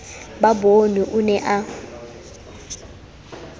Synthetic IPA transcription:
babonuʔʊnɛʔa

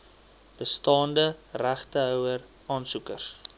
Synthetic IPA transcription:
b̥əstɑːndəræχtəɦœwər | ɑːnsukərs

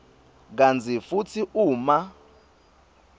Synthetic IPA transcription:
k̬and͡zʰʱifut͡sʰiʔuːma

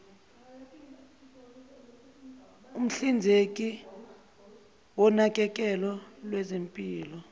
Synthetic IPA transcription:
um̩ɬind͡zʱek̬ʼi | wɔnak̬ʼɛk̬ʼɛlɔlwɛzempʼiːlɔ

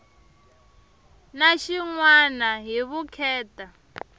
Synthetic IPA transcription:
naʃiŋwanaɦiβukʰɛːtʼa

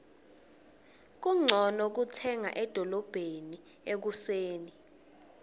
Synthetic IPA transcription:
k̬uŋ͡ǀʱɔnɔk̬utʰɛŋa̰ʔɛd̥ʱɔlɔb̥ʱeniek̬useːni

